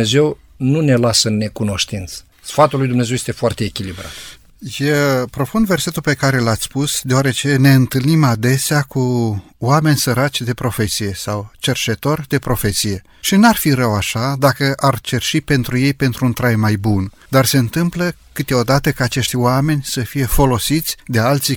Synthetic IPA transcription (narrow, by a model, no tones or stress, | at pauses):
eze̞w | nune̞lasəɨnːe̞kuno̞ʃt̪int̪sə̥ | sfat̪ulːujd̪umnezewjest̪efoart̪eːkʲilibɾa̰t̪ | jepɾo̞fund̪ve̞rse̞t̪ulpe̞kaɾe̞lat̪sʲpusd̪e̞oaɾe̞t͡ʃe̞ne̞ɨnt̪ɨlnimad̪e̞seaku | wame̞nʲsəɾat͡ʃʲd̪e̞pɾo̞fe̞t̪sije̞sawt͡ʃe̞rt͡ʃe̞t̪o̞rd̪e̞pɾo̞fe̞t̪sije̞ | ʃinuarfiɾəwaʃad̪akəʔart͡ʃe̞rʃipe̞nt̪ɾuje̞jpe̞nt̪ɾuunt̪ɾajmajbun | d̪arse̞ɨnt̪ɨmpləkɨt̪eo̞d̪at̪əkaːt͡ʃe̞ʃt̪ʲwame̞nʲsəfije̞fo̞lo̞sit̪sʲd̪e̞alt̪si